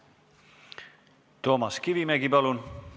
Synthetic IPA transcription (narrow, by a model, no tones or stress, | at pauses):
t̪oːmɑskivimeɡipɑlun